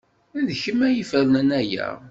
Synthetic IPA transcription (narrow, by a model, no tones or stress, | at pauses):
æðçəmæjifəɾnənæjæ̰